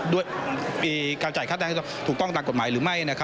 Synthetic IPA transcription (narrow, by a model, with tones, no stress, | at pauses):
du˥˩əjmiː˧kaː˧nt͡ɕaː˨˩jkʰa˥˩ɛː˧ŋʰː˥˩˧t̪ʰuː˨˩kt̪ɔ˥˩ŋt̪aː˨˩ko˨˩maː˩˦jɾɯː˩˦ma˥˩jʔa˧na˦˥kʰa˦˥